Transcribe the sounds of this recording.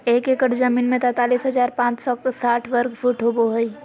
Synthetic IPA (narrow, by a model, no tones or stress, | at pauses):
eːkekəʈzɐmiːnmẽt̪ɛt̪aːliːsɦɐzaːɾpãːt͡ʃsɔksaːʈʰʋəɾɡfʰuːʈɦoboɦəi